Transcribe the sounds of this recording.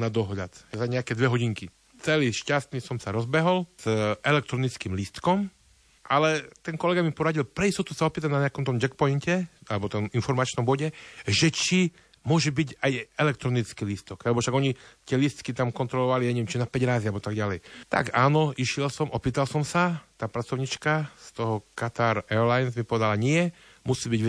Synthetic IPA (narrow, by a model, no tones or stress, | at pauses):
nad̪ɔɦʎat̪zaɲɛakɛd̪ʋɛɦɔɟiŋki | t͡sɛliːʃcast̪nisɔmsaɾɔzbɛɦɔlz̥ʔɛlɛkt̪ɾɔnit͡skiːmlist̪kɔm | ʔalɛt̪ɛnkɔlɛɡamipɔɾaɟilpɾɛist̪ɔt̪usaɔpiːt̪̬anaɲɛakɔmt̪ɔmd͡ʒɛkpɔincɛalɛbɔt̪ɔminfɔɾmat͡ʃnɔmbɔɟɛʒɛt͡ʃi | mʊɔʒɛbiɟajɛlɛk̚t̪ɾɔnit͡skilist̪ɔɡalɛbɔfʃaɡɔɲit̪ɪɛlist̪kit̪amkɔnt̪ɾɔlɔʋaliaɲɛʋiɛmt͡ʃinapɛɟɾaːzialbɔt̪aɡɟalɛjt̪a̰ɡaːnɔiʃɪɛlsɔmʔɔpiːt̪alsɔmsat̪aːpɾat͡sɔʊɲit͡ʃkast̪ɔɦɔkat̪aɾɛɾlajnzmipɔʋɛd̪alaɲɪɛ | musiːbiɟ